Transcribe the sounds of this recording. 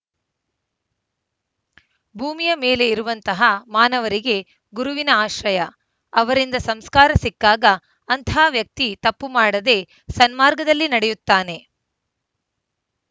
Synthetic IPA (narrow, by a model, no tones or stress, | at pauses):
bʱuːmijɐme̞ːle̞iɾuʋɐnt̪ɐɦɐmaːnɐʋɐɾiɡe̞ | ɡuɾuʋinɐaːʃɾɐjɐː | ʋɐɾind̪ɐsɐmskaːɾɐsikːaːɡɐː | nt̪ʰaːʋjɐk̚t̪it̪ɐpːumaːɽɐd̪e̞ | sɐnmaːɾɡɐd̪ɐlːinɐɽejut̪ːaːne̞